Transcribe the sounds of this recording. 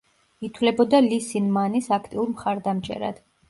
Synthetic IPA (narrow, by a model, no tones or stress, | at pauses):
it̪ʰwlɛbɔd̪alisinmanisakʰt̪ʼiuɾmχaɾd̪amt͡ʃʼɛ̰ɾa̰d̪̥